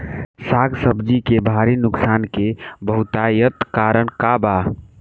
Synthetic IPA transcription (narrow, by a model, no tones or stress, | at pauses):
saɡsəbd͡ʒikebʱaɾinʊksankebəɦut̪ajət̪kaɾəɳkaba